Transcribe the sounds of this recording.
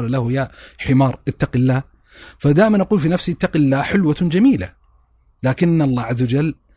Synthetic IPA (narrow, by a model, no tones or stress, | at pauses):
lalahjaːħɪmɑːɾˤʔɪt̪ːaqɪlːaːh | fad̪aːʔɪmanʔaɑquːlfinafsiɪt̪ːaqilːaːhħɪlwad͡ʒamiːla̰ | laːkɪnːalˤːɑːʕazːawad͡ʒalː